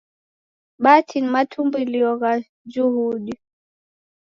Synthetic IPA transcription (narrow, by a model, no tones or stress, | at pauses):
ɓatʰinimatʰumbuiliɔɣa | d͡ʒuhuɗi